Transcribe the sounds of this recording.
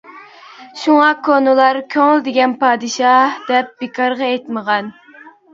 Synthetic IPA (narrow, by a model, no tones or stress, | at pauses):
ʃuŋɑkʰonɨlˠɑɾkʲʰøŋɪld̪ɪɡʲɛnpɑːd̪ɨʃɑd̪ɛp̚bekʰɑɾʁɑet̪məʁɑn